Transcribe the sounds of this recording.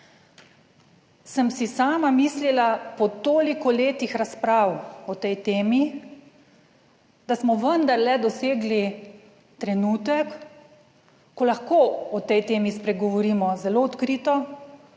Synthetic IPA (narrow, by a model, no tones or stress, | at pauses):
səmsisaːmamiːslilapɔt̪oːlikɔleːt̪ixɾaspɾaːwɔt̪ɛjt̪eːmi | d̪asmɔʋənd̪aɾlɛd̪ɔseːɡli | t̪ɾɛnuːt̪ɛk | ɔlaxkoːɔt̪ɛjt̪eːmispɾɛɡɔʋɔɾiːmɔzɛloɔt̪kɾiːt̪ɔ